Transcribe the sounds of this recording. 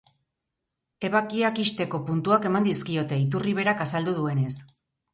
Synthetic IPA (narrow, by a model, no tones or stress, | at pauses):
e̞βakiakist̪e̞ko̞punt̪uake̞mand̪iskio̞t̪e̞it̪uriβ̞e̞ɾakasald̪uðue̞ne̞s